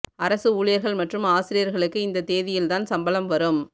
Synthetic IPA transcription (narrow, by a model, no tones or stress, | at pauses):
ɐɾɐsɯuːɻɪjɐɾɣɐɭmɐʈrɯmaːsɪɾɪjɐɾɣɐɭɯkːɯɪnd̪ɐt̪eːðɪjɪlt̪aːnsɐmbɐlɐmʋɐɾɯm